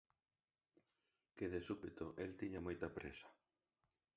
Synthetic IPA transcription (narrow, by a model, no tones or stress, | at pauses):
keðesupet̪oʔelt̪iɲɐmojt̪ɐpɾḛsɐ̥